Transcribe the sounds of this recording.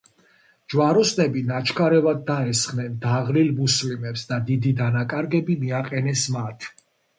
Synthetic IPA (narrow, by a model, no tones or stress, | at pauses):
d͡ʒwaɾɔsnɛbinat͡ʃʰkʰaɾɛvad̪̚ːaɛsχnɛnd̪aʁlilmuslimɛpsd̪ad̪id̪id̪anakʼaɾɡɛbimiaqʼɛnɛsmat̪ʰ